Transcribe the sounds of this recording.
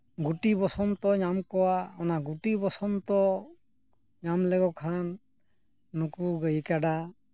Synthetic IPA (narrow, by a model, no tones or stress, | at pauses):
ɡuʈibɔsɔmt̪ɔɲamkɔwaɔnaɡuʈibɔsɔmt̪ɔ | ɲamlɛɡɔkʰanː | ukuɡəjkaɖa